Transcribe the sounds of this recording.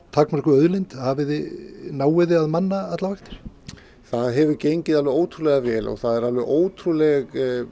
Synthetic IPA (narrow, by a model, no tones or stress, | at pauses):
t̪ʰaknmaɾɪhkʏœðlɪjnt̪havɪðnaːwɪðɪaðmanːaat̪lavajxt̪ɪ̥ɾ̥ | θaðɦɛvʏɾcejɲcɪðalvʏɾoːwt̪ʰɾulɛɣavɛːlɔ̰ɣθaðɛɾalvʏʔoːwt̪ʰɾulɛɣ